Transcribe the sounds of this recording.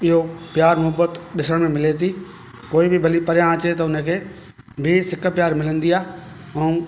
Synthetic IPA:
ɪɦopjaːɾmʊɦəbət̪ɗɪsəɽ̃mẽmɪlet̪i | koːibʱɪbʱɐlipɐɾjãt͡ɕet̪ɐʊnəkʰeː | bʱɪsɪkʰpjaːɾmɪlə̃nd̪iaː | ɛ̃ũː

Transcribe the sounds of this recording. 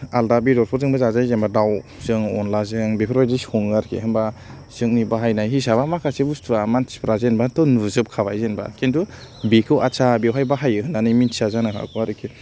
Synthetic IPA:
aldabidɔɾpʰɔɾzɯŋbazazajzenbadawz̥ɯŋɔ̰nlazɯŋbepʰɾajdishɔŋaɾkʰḛhɯmba | z̥ɯŋnibaɦajnajɦisaβamakʰasebustʰuamanspɾazenbatɔnuzɯp̚kʰaβajzenba̰kʰentubekʰɯwʔat͡ʃʰabiwɦajbaɦajɯɦɯnanɯjminsazanakʰa̰kʰuaɾɯkʰe

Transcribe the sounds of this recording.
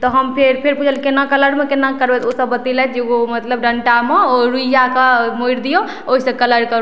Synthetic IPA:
t̪ɔɦəmpʰeɾpʰeɾpud͡ʒʰʱəlkenakələɾmekenakəɾbet̪osəbːət̪ilɛt̪d͡ʒeomət̪ləbɖəɳʈameoɾujakamoiɾd̪ijo | oɦisə̃kələɾkəɾ

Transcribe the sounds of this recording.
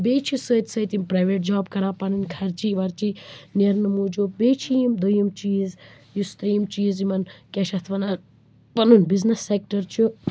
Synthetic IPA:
beːt͡ʃʰisəːt̪ʲsɐːt̪impɾajʋeʈ̚d͡ʒaːbkɐɾãːpɐnunʲkʰɐɾt͡ʃiʋɐɾt͡ʃineɾnɨmuːd͡ʒobeːt͡ʃʰijimd̪ujimt͡ʃiːz | just̪ɾiːmt͡ʃiːzjimɐnkʲɐʃɐt̪ʰʋɐna | pɐnunʲbiznɐsːek̚ʈɐɾt͡ʃʰu

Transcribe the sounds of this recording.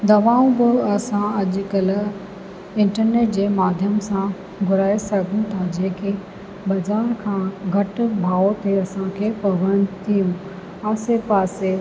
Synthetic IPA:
d̪ɐʋaːũbʊɐsãɐʄkɐl | ɪ̃ɳʈəɾneːʈ̚d͡ʑeːmaːd̪ʱjəmsã | ɡʱʊɾaːesɐɡʱũt̪ʰad͡ʑeːkʰe | bɐzaːɾkʰãːɡʱɐʈbʱaːot̪ʰeɐsãkʰepɐʋənt̪ʰiũ | aːsepaːse

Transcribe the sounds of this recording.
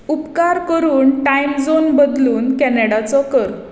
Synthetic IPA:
upkaɾkəɾuːnʈajmd͡zonbəd̪luːnkɛneɽat͡sɔkəɾ

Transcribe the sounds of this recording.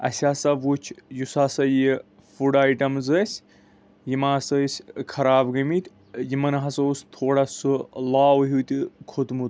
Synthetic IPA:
ɐ̰sʲaːsɐʋut͡ʃʰjusaːsɐji | fuɽaːjʈɐmzəsʲ | jimaːsɐsʲkʰɐɾaːbɡɐmit̪ʰʲ | jimɐnɐɦɐsɐust̪ʰoːɽasɨlaːwɦut̪ʲikʰot̪mut̪

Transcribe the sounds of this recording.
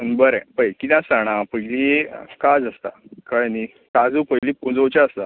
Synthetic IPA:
ənbəɾẽpəjkit̪ãsaɽ̃ãpəjlikad͡zəst̪a̰kəɭni | kad͡zuːpəjlipũd͡zowt͡ɕaəst̪a

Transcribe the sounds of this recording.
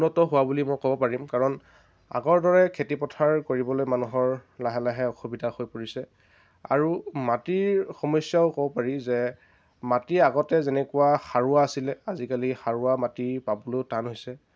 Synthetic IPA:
unːɔtɔɦʊwabulimɔjkɔbɔpaɹimkaɹɔn | a̰ɡɔɹdɔɹɛkʰetipɔtʰaɹkoɹibɔlojmanuɦɔɹlaɦɛlaɦɛɔxubidʱaxojpoɹisɛ | a̰ɹumatiɹxɔmɔsjaʊkɔbɔpaɹizɛ | matiaɡɔtɛzɛnɛkuaxaɹʊaːsilɛazikalixaɹuamatipabɔlotanɦojsɛ

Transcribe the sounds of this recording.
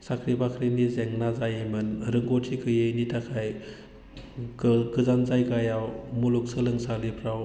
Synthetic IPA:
sakʰɾibakʰɾinizeŋnazajajmɯnɾɯŋɡɔtʰikʰɯjejnitʰakʰaj | ɡɯzanzajɡajawmuluk̚sɯlɯŋsalipʰɾaw

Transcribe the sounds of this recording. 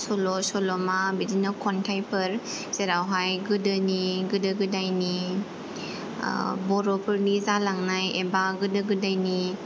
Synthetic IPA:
sɔlɔsɔlɔmabidinakʰɔntʰajpʰɯɾ | z̥eɾawɦajɡɯdɯniɡɯdɯɡɯdajni | bɔɾɔpʰɯɾnizalaŋnajebaɡɯdɯɡɯdajni

